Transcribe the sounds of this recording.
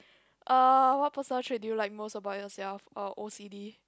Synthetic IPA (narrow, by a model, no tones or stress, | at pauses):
ʔəwɔt̚pʰəsənətʰɹɛdjulaɪk̚mosəbaʊtjɔsɛlfəʔosidi